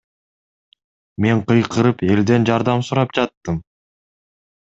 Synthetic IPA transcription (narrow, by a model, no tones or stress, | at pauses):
me̞ɴqɯjqʰɯɾɯpe̞ld̪e̞nd͡ʒɑɾd̪ɑmsʊɾɑp̚d͡ʒɑt̪ːɯm